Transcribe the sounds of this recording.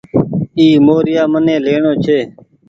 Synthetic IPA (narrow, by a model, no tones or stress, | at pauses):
iːmoːɾɪjaːmənẽːleːɳoːt͡ʃʰeː